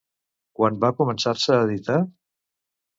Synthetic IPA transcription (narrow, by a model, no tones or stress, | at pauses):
kwanbakumənsaɾsəːðit̪a